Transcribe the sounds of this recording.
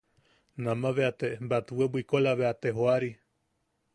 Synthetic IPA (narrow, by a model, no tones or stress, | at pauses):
nãmãβeat̪embat̪uebuikolaβeat̪eɦoaɾi